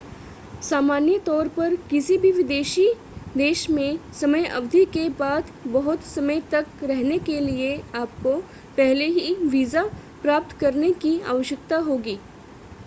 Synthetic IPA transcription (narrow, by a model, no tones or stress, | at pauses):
saːmaːnjət̪ɔːɾpɐɾkɪsibʱiʋɪd̪eːʃi | d̪eːʃmẽsɐməjɐ̰ʋd̪ʱikebaːd̪bɐɦʊt̪sɐməjt̪ɐkɾɛɦnekelieaːp̚ko | pɛɦleɦiʋiːzapɾaːp̚t̪kɐɾnekia̰ːʋəʃjəkt̪aɦoːɡiː